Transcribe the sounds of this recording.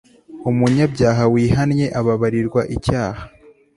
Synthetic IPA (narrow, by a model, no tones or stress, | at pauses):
umuɲabɟaːɦawiːhanɲe̞ʔaβaβaɾiɾɡwaʔicaːha